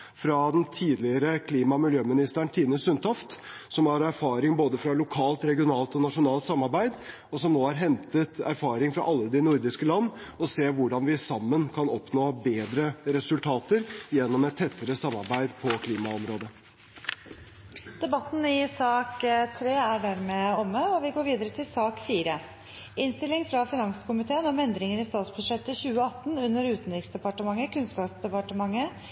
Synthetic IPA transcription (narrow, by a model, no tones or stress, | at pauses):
fɾɑd̪ɛnt̪ʰiːd̪lɪəɾəkʰliːmɑmɪljøːmɪnɪst̪æɳʈ̪ʰiːnəsʉnt̪ʰɑft̪ | sɔmhɑɾæɾfɑːɾɪŋboːd̪əfɾɑlʊkʰɑːlt̪ɾɛɡɪʊnɑːlt̪ɔnɑʂʊnɑːlt̪sɑmːɑɾbæɪd̪ | ɔsɔmnoːhɑɾɦɛnt̪ət̪æ̰ɾfɑːɾɪŋfɾɑ̰ʔɑlːəd̪ɪnʊɾd̪ɪskəlɑnːɔseːʋʊɖɑnʋɪsɑmːənkʰɑnɔpnoːbeːd̪ɾəɾɛsʉlt̪ʰɑːt̪əɾjɛnːɔmɛt̪ʰːɛt̪ʰːəɾəsɑmːɑɾbæɪd̪pʰɔkʰliːmɑɔmɾoːd̪ə | d̪̥ɛbɑt̪n̩ɪsɑːkt̪ʰɾeːæɖæɾmeːɔmːəɔʋɪɡoːɾʋiːd̪əɾət̪ʰɪlsɑːkfiːɾə | ɪnst̪ɪlːɪŋfɾɑfɪnɑŋsə̥kʊmɪt̪ʰeːənɔmɛnd̪ɾɪŋəɾɪst̪ɑːt̪sbʉd̪ʂɛt̪ːəçʉːəɑt̪ːnʉnːəɾʉːt̪nɾɪksd̪ɛpɑʈəmɑŋːəkʰʉnskɑːpsd̪ɛpɑʈəmɑŋːə